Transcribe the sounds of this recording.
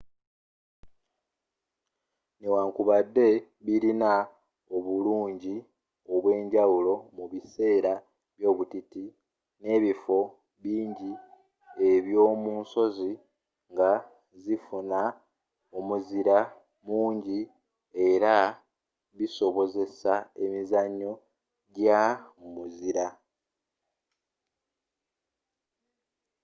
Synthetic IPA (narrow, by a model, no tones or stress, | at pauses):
newaːŋkuβadːe̞ | βiɾina | o̞βuluːɲɟi | o̞βwe̞ːɲɟawulo̞muβise̞ːɾa | βjo̞ːβutiti | ne̞ːβifo̞ | βiːɲɟi | e̞βjo̞ːmuːnso̞zi | ŋɡa | zifuna | omuziɾa | muːɲɟi | e̞ɾa | βiso̞βo̞ze̞sae̞mizaɲːo | ɟamumuziɾa